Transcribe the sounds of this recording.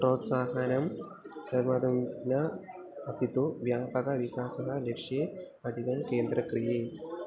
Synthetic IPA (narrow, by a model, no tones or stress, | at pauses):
pɾoːt̪saːɦɐnɐm | pɐɾmad̪ɐmnɐ | ɐpit̪uʋjaːpɐkɐʋikaːsɐɦɐlekʂe | ɐd̪ʱikɐmkeːnd̪ɾɐkɾijeː